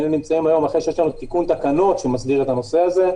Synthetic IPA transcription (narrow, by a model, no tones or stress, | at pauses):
enimt͡saimajo̞maχʁeʃejeʃlanut̪ikunt̪akano̞t̪ʃemasbiʁet̪ano̞seaze̞